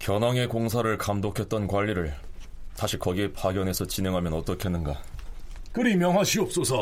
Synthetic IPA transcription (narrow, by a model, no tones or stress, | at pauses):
kjʌnwaŋe̞koŋsʰaɾɯɭkamdokʰet̚t͈ʌnkwaʎːiɾɯɭtaɕʰikʌɡiepaɡjʌne̞sʰʌt͡ɕine̞ŋɦamjʌnʌt͈ʌkʰenːɯnɡa | kɯɾimjʌŋɦwaɕʰiʌp̚s͈osʰʌ